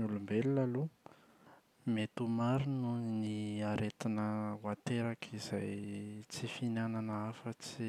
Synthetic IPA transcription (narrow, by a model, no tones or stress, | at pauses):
ulumbelilalu | met̪umaɾinuniaɾet̪inəwat̪eɾakʰizajt͡sifinananəafət͡si